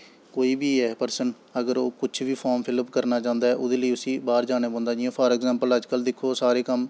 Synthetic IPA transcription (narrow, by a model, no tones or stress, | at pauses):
koːiːbiːɛːpəɾsən | əɡəɾoːkʊt͡ʃʰʋiːpʰɔːɾmpʰɪləpkəɾnaːt͡ʃãːnd̪aːɛːʔʊd̪eːləiːʊsĩːbaːɾd͡ʒaːñeːbɔ̃ːnd̪aːd͡ʒɪãːpʰəɾɛːɡzãːmpələd͡ʒkəld̪ɪkʰːoːsaːɾeːkəm